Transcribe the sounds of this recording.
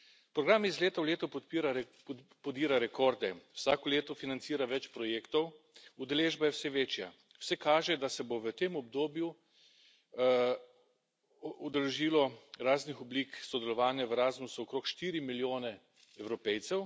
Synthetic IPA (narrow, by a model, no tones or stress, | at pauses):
pɾɔɡɾaːmizleːt̪awleːt̪ɔpɔt̪piɾa | pɔd̪iːɾaɾɛkɔːɾd̪ɛwsaːkɔleːt̪ɔfinant̪siːɾaʋɛt͡ʃpɾɔjeːkt̪ɔw | ud̪ɛleːʒbajɛwsɛʋeːt͡ʃja̰ | wsɛkaːʒɛd̪asɛboʋət̪eːmɔb̚d̪oːbju | ud̪ɛlɛʒiːlɔɾaːznixɔbliːksɔd̪ɛlɔʋaːnjaʋəɾaːzmusuɔkɾoːkʃt̪iːɾimiljoːnɛ | ɛwɾɔpɛjt̪sɛw